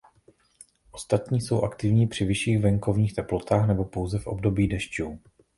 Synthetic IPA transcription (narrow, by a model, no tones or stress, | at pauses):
ʔo̞st̪at̪ɲiːso̞wʔakt̪ɪvɲiːpr̝̥ɪvɪʃiːɣvɛŋko̞vɲiːxt̪ɛplo̞t̪aːxnɛbo̞po̞wzɛfʔo̞̰bdo̞biːdɛʃcuː